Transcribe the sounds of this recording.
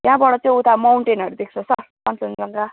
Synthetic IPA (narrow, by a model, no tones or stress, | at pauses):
jjɦãbʌɽʌt͡sʌĩut̪ʰamawɳʈenʌɾud̪ek̚ʰt͡sʰʌsʌrpant͡sʌnd͡zʌŋɡa